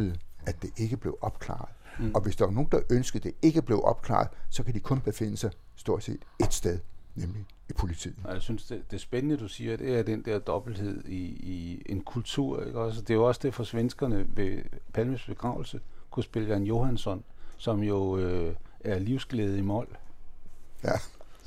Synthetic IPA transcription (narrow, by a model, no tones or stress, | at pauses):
ð̩ˠʔæd̥e̝ʔe̝ɡ̥əb̥le̝ʊʔɒ̽b̥̚kʰlɑ̰̈ð̩ˠɒ̽ʋe̝sd̥ɑ̈ʋɑ̈no̝ːn̩d̥ɑ̈ʔønsɡ̥ð̩ˠd̥e̝e̝ɡ̥əb̥le̝ʊʔɒ̽b̥kʰlɑ̰̈ð̩ˠsɒ̽kʰæd̥ikʰɔ̽nb̥e̝fe̝n̰əsɑ̈ɪ | sd̥o̝ɐ̰d̥se̝̰ːd̥e̝d̥sd̥eð̞ˠnemli | ipʰo̝lit͡sʰḭːjasynsd̥ed̥e̝sb̥enənəd̥usiːɐd̥e̝æɐd̥end̥ɛɐ̰d̥ɒ̽b̥l̩d̥he̝ð̞̰ˠiienkʰult͡sʰuɐ̰eɡ̥ɒ̽sd̥e̝joɒ̽sd̥e̝ɐfɒ̽sʋensɡ̥ɐnəʋepʰælməsb̥e̝ɡ̥ʁɑ̈ʊl̩səkʰusb̥e̝ləɡ̥ænjo̝hænsɒ̽nsɒ̽mjo̝øæɐliʊsɡ̥leːð̞̩ˠimɒl̰ | jæ